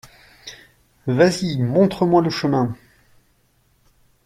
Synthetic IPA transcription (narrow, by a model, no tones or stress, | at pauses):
vazimɔ̃t̪χəmwaləʃəmɛ̃